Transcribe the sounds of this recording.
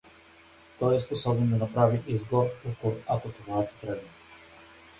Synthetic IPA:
t̪ɔjɛsposɔbɛnd̪anapɾaviʔizɡɔɾukoɾakot̪ovaɛp̪ot̪ɾɛd̪ɛ

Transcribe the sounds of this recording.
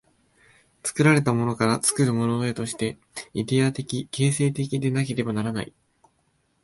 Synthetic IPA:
t͡sɨ̥kɯ̟ɾaɾe̞t̪amo̞no̞kaɾat͡sɨ̥kɯ̟ɾɯ̟mo̞no̞et̪o̞ɕi̥t̪e̞ | id̪e̞at̪e̞kʲike̞ːse̞ːt̪̬e̞k̬ʲid̪e̞nake̞ɾe̞banaɾana̰i

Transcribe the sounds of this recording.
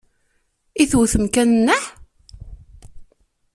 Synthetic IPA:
iθuθəmkænənːəħ

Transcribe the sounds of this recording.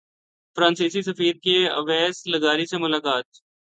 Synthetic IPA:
fɾãːnsiːsisəfiːɾkeə̰ʋɛːsləɡaːɾisemʊlaːkaːt̪̚

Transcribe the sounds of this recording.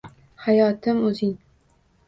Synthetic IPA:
hajɒːt̪ʰɪmɵzɪŋ

